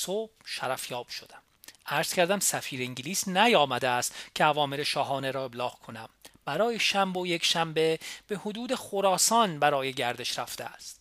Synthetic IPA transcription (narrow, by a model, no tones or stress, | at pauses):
sobʃæɾæfjɒːb̥ʃod̪æm | æɾz̥cʰæɾd̪æmsæfiːɾeiŋɟiliːsnæjɒːmæd̪eæst̪cʰeævɒːmeleʃɒːɦɒːneɾɒːe̞blɒːɣkʰo̞næmb̥æɾɒːjeʃæmbojekʰʃæmbe̞b̥e̞hod̪uːd̪eχoɾɒːsɒːnbæɾɒːje̞ɟæɾd̪e̞ʃɾæft̪ʰeæst̪